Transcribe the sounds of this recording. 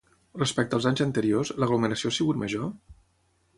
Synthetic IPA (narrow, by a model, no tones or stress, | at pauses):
rəspɛk̚t̪əlˠzaɲzənt̪əɾiozləɣluməɾəsiosiɣut̪məʒo